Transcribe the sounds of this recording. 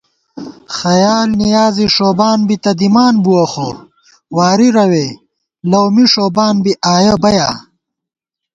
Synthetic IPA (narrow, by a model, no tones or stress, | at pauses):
xɐjaːlnijaːziʂoːbaːnbit̪ɐd̪imaːnbuwɐxo | waːɾiɾɐweː | lɐwmiʂoːbaːnbiʔaːjɐbɐjaː